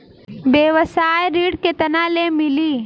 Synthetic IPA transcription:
beːʋəsaːeɾiːɽket̪ɐnalemɪliː

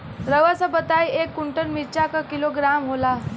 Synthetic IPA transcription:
ɾəʋat͡sabət̪ajekːuɳʈənmiɾt͡ɕakakiloɡɾamɦola

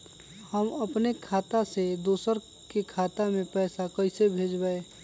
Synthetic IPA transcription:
həməpnekʰaːt̪ased̪oːsəɾ | kekʰaːt̪amẽpɛːsakəɪsebʱeːd͡ʒbaeː

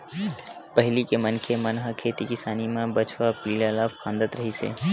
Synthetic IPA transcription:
pəɦɪlikemənkʰemənɦəkʰeːt̪ikɪsaːnimãbət͡ʃʰʋapiːlalakʰãːnd̪ət̪ɾəɦisḛː

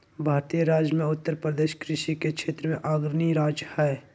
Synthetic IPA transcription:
bʱaːɾt̪ijəɾaːd͡ʒjəmẽʊt̪ːəɾpɾəd̪eːʃkɾɪʃikekʃʰeːt̪ɾəmẽʔaːɡɾniɾaːd͡ʒhɛː

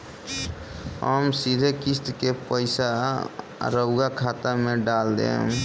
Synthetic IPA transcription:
ɦə̰msiɾʱekist̪kepəɪsa | ɾəʊɡakʰat̪ameɖald̪ḛɦṵ̃

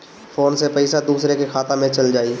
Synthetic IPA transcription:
fʰoːnsepəɪsad̪uːsɾekekʰaːt̪ãmẽt͡ʃɐld͡ʒaːiː

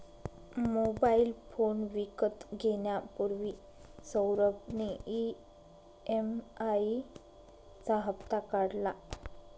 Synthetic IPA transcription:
mobailfonʋikət̪ɡʱeɳjapuɾʋi | səwɾəbnei | emai | t͡saɦəpt̪akəɽla

